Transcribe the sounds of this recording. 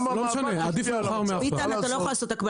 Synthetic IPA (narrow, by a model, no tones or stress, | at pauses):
lomeʃanead̪ifeχaʁmeapitalnat̪alojolaːsot̪akba